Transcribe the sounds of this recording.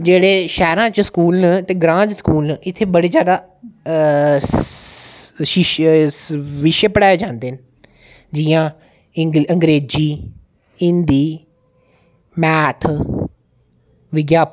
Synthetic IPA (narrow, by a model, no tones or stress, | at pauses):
d͡ʒeːɽeːʃɛːɾãːt͡ʃsə̥kuːlnət̪eːɡɾãːd͡ʒsə̥kuːlnəʔɪt̪ʰːeːbəɽeːd͡ʒjaːd̪aː | ʃɪʃ | ʋɪʃəpəɽaːeːd͡ʒãːnd̪eːn | d͡ʒijãː | əŋɡɾeːd͡ʒiː | ɪ̃nd̪iː | mɛːt̪ʰ | ʋɪɡjaː